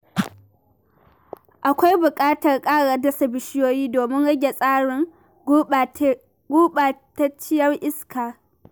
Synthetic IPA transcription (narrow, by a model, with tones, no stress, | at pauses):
ʔa˨kʷa˦jbʊ˨kʼaː˦tɐ˨rkʼaː˦ɽa˨dɐ˦sɐ˨bɪ˨ʃɪ˦joː˦jiː˦doː˨mɪ˦ŋɽɐ˦ɡʲe˨sʼaː˦ɽɪ˨ŋ | ɡuː˦ɓaː˨ta˦t͡ʃɪ˦jɐ˦rʔɪ˦skʰaː˨